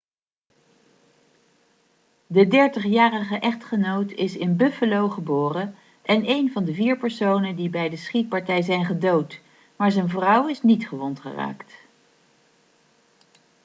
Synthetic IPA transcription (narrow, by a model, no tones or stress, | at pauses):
dədɛɹtəχjaːrəχəʔɛχtχənowtɪsɪnbɵfəlowχəbʊːrə | ʔɛnejnvɑndəviːɹpəɹsownəndibɛjdəsχit̚pɑɹtɛjzɛjnχədowt | maːɹzənvrʌwɪsnitχəʋɔntχə̰ra̰ːkt